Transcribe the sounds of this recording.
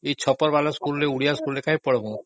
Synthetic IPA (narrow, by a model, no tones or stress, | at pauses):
et͡ɕʰɔpɔɾbalaskulːeuɽijaskullekaɦipɔɽɔbo